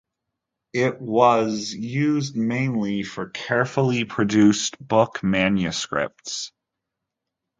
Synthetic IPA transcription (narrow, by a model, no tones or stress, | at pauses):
ɪʔ̚wʌzjʉzd̚mẽɪ̃nlifə˞kʰɛɹfl̩ˠipʰɹ̥ɨdʉstb̥ʊkmæ̃njɨskɹɪ̰p̚ts